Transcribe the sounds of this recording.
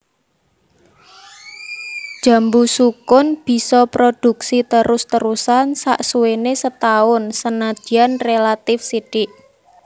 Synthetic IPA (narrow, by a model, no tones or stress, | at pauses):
d̥ʒ̥a̤mbusukʊnb̥i̤sɔpɾod̥ṳksit̪əɾʊst̪əɾusansa̰ʔsuwenesət̪aʊnsənḁd͡ʒ̥i̤anrelat̪ɪfsiɖ̥ɪʔ